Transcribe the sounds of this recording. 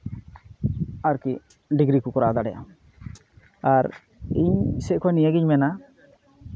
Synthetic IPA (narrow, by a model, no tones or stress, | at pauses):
aɾkiʔ | ɖiɡɾikɔkɔɾad̪aɽɛja̰ | aɾ | iɲsɛʔkʰɔwanijaɡiɲmɛna